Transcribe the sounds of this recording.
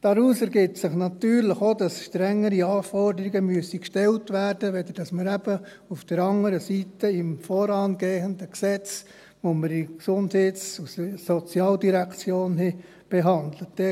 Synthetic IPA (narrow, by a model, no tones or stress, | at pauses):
d̥ɑɾuːsɛɾɡɪtsɪχnɑt̪yːɾləχodɑsʃtɾɛŋːəɾiɑːfɔrdəɾiɡəmyəsikʃtɛltʋæːɾd̥əʋɛd̪əɾd̥ɑsməɾæb̥ə | ufd̥əɾɑŋəɾəsitəɪmfɔːɾɑːnɡeːhəndəksɛt͡s | ʋoməɾiksʊndhɛtsusəsɔt͡sjɑːldiɾækt͡sjoːnɦɛ | b̥ɛɦɑndlətd̥ɛ